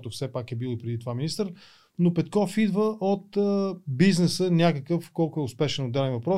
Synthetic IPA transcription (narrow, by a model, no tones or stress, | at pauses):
t̪ʊfsɛpakɛbilˠoipɾɛd̪it̪ovaminist̪əɾ | nopɛt̪̚kɔfid̪vəʔot̪əbiznɛsənʲakəkɤfkɔlˠkʊɛʊspɛʃɛnod̪ːɛlɛnvɐpɾɔ